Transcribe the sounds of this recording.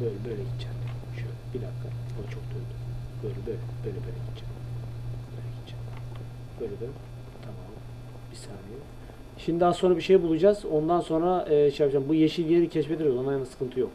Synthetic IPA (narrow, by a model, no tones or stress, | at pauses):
bøjlʲɛbøjlʲɛɟit̪t͡ʃʰːæn | ʃøjlʲɛbid̪akʰːabot͡ʃʰo̞k̚d̪ønd̪yb̥øjlʲɛbøjlʲɛbøjlʲɛbøjlʲɛɟit̪t͡ʃʰæn | bøjlʲɛɟit̪t͡ʃʰæn | bøjlʲɛd̪ɛ | t̪ʰamaːm | bisaːɾijɛ | ʃimd̪id̪aːso̞nɾabiʃejbulˠud͡ʒaz̥o̞nd̪anso̞nɾaɯːʃejapɯd͡ʒambujeʃinjeɾicʰɛʃbed̪iɾlˠanajnansɯ̥kʰɯnt̪ʰɯjok